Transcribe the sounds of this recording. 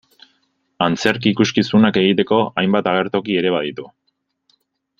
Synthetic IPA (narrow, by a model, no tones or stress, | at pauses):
ant͡se̞ɾkiːkuskisunake̞ɣ̞it̪e̞ko̞ajmbat̪aɣe̞ɾt̪o̞kie̞ɾe̞βað̞it̪u